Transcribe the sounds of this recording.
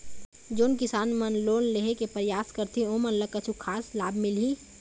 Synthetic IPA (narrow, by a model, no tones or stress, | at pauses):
d͡ʒoːnkɪsaːnmɐnloːnleɦekepəɾjaːskɐɾt̪iõmɐnləkɐt͡ʃʰukʰaːslaːbmɪlɦiː